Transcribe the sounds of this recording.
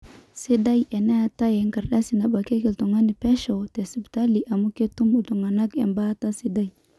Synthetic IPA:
se˦da˦je˨na˦a˨ta˦je˨ŋka˨ɾɗa˦si˨na˨ɓa˨ke˦ki˨ltu˨ŋa˦ni˨pe˦ʃo˨te˨si˨bta˦li˨ʔa˨mu˦ke˦tu˦mu˨du˨ŋa˨na˦kḛ˨mba˦ta˦si˦da˦j

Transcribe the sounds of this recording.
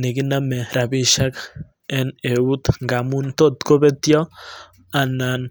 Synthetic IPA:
ne˨ɡi˦name˨ɾa˨βi˦ʃa˦k | e˦ne˨u˦t̪ŋɡa˨mu˦nt̪o˦t̪ko˦βe˦t̪jo˦ | a˨na˨n

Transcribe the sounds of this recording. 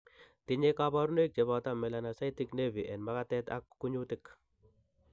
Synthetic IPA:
tɪ˨ɲekabɔ˦ɾuno˦ik̚t͡ʃe˨βatamɛ˨lana˨sa˦jtɪ˦kne˦vi˨ʔɛ˨nma˦ka˦tɛta̰˦kːu˦ɲu˦tɪk

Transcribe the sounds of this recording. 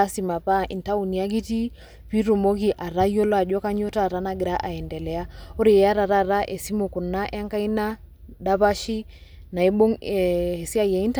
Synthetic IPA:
a˦si˨ma˨pa˦˨ʔḭ˨n˨ta˦u˨ni˨a˦ɡ̬i˦ti˦ | pi˦ɾu˨mɔ˦ki˨ʔa˨ɾa˦jɔ˦lɔ˦a˨d͡ʒɔ˦ka˦ɲɔ˦ta˦˨ɾa˦na˨ɡɾa˦ʔa˨ɛ˨ndɛ˨lɛ˨a˦o˦ɾi˨a˦ɾa˨ɾa˦ɾa˦ʔɛ˨si˦mo˨ku˨nːa˦ʔa˦ŋka˦i˦na˦ | ɗa˦βa˦ʃi˦ | na˨ɛ˦ɓo˦ŋɛ˨si˦a˦ja˨i˦n˦t

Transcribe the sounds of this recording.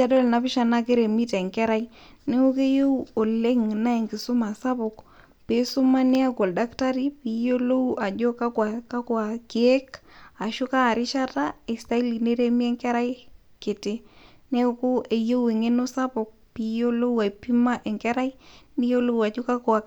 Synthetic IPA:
a˦dɔ˦lna˨pɪ˦ʃa˨na˦ke˦ɾe˨mi˦ta˨ɛ˨ŋkɛ˦ɾa˦i | ne˦ʊ˦ke˦jo˦wo˨le˦ŋna˦e˨ŋkɪ˨sʊ˦ma˨sa˦pʊ˨k | pe˨˦sʊ˦ma˦nɪ˦a˦kɔ˨lda˦kta˦ɾi˦pi˨˦jo˦lo˦wa˨d͡ʒo˦ka˦kwa˨ka˦kwa˨kɪ˨e˦ka˨ʃʊ˦ka˦˨ɾɪ˦ʃa˦ta˦e˨sta˦i˦li˨ne˦ɾe˦mi˦ɛ˦ŋkɛ˦ɾa˦j | ke˨te˦ne˦kʊ˦e˨jo˦we˨ŋe˦no˦sa˦pʊ˨k̚pi˦jo˦lo˦wa˨pi˦ma˦ʔɛ˨ŋkɛ˦ɾa˦i˦ni˦jo˦lo˦wa˨d͡ʒo˦ka˦kwa˨

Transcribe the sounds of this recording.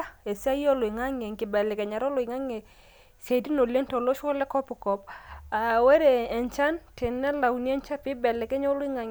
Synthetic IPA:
e˨sa˦jo˦lo˨ɪ˨ŋa˦ŋe˨ŋkɪ˨bɛ˨lɛ˨kɛ˨ɲa˨ɾɔ˦lɔ˨ɪ˨ŋa˦ŋe˨ | se˨di˦no˨le˦ŋtɔ˨lo˦ʃɔ˦lɛ˦kɔ˦pɔ˨kɔ˨pa˨we˦ɾeː˨nt͡ʃa˦ntɪ˨nːɛ˦la˨wni˦ɛ˦ɲt͡ʃa˦pɪ˦bɛ˨lɛ˨kɛ˦ɲ˦o˦lɔ˦ɪ˦ŋa˨ŋ

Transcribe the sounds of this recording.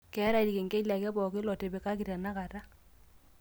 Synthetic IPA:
kɛ˨˦ɾa˦˨di˨ke˨ŋɡe˦la˨kɛ˦bɔ˨kɪ˦lɔ˨te˨be˨ka˦ki˨ta˨na˦ka˨ta˦

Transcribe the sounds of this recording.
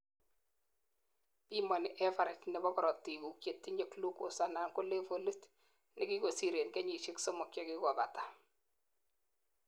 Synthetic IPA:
pi˦ma˨nɪ˨ʔɛ˦fa˨ɾa˨t͡ʃnɛ˨bɔ˦kɔ˨ɾɔ˨tːi˨ku˨kje˨tːi˦ɲe˦klu˦ko˨sa˨na˨ŋko˦le˦fo˨lu˦t | nɪ˦ki˦ko˨si˨ɾe˨nɡɛ˦ɲi˨ʃe˦kso˦mɔ˨kjɛ˦ki˦kɔ˨ba̰˨tḁ˨

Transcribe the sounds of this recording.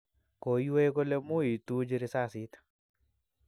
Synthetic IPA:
ko˨jwe˦ɡo˦le˦mu˦i˨t̪u˦d͡ʒi˦ɾi˦sa˦˨si˦t̪

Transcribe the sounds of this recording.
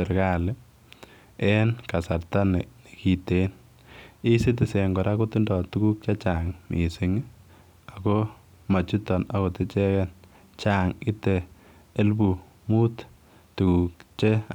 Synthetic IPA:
e˨ɾka˦lɪ˦ | ɛ˦nka˨sa˨ɾta˦ne˨ne˨ki˨te˦n | i˦sɪ˦tɪ˨se˨ŋɡɔ˨ɾa˦ko˦tu˦ndɔ˨tu˦ku˦k̚t͡ʃa˦t͡ʃa˨ŋmḭ˨sɪ˨ŋ˦ | a˨ko˦ | ma˨t͡ʃu˦tɔ˨na˨ko˨tɪ˦t͡ʃɛ˦kɛn | t͡ʃa˨ŋi˦teː˨˦ | lbu˨ | mu˦t | tu˨ku˨k̚t͡ʃe˦

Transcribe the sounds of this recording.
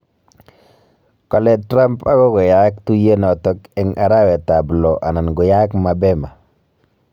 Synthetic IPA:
kɔ˨lɛ˦tɾa˦mpa˦ɡɔ˦ɡɔ˨ja˦kt̪u˦je˦nɔ˨tɔ˦kɛ˦ŋʔa˨ɾa˦wɛ˨ta˨blɔ˨ʔa˨na˨nɡɔ˨ja˦kma˨bɛ˦ma˨

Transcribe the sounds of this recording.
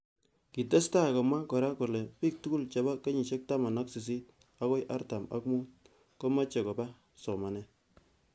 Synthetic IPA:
ki˨te˦sta˦˨kɔ˨mwa˦kɔ˨ɾa˦ko˨lɛ˨pi˦k̚tu˦ku˦lt͡ʃa˨ba˦ke˦ɲi˨ʃe˦k̚ta˦ma˨na˦ksi˨s̬i˦t̚ | a˦kɔ˦jʔa̰˦rta˨ma̰˦kmu˦t̚ | ko˦ma˦t͡ʃe˨kɔ˨ba˦ | sɔ˨ma˨nɛ˨

